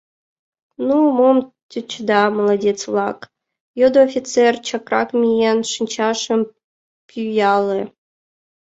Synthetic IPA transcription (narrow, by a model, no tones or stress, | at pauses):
numom | tʲyt͡ɕd̪ɑmolˠadʲet͡svlˠɑk | jod̪oːfʲit͡sert͡ɕɑkrɑ̰kmʲijenʃɨnʲt͡ɕɑʂə̆m | pʲjyjɑlʲˠɘ